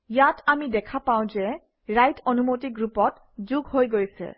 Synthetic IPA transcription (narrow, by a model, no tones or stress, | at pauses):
jatamidɛkʰapaw̃zɛ | ɹajtʰɔnumotiɡɹupɔt | zuɡhojɡojsɛ̰